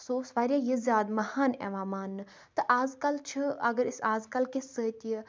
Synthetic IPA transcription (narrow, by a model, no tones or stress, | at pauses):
soːsʋaːɾʲjaːjizʲjaːd̪mɐhaːnɛ̰ʋaːmaːnːɨ | t̪ɨʔaːzkɐlt͡ʃʰɨɐɡəɾɪsaːzkɐlkesət̪ʲə